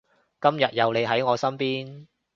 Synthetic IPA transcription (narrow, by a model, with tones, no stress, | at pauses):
kɐ˥mjɐ˨t̚jɐ˨˧wle˨˧jɦɐ˨˥jŋɔː˨˧sɐ˥mpiː˥n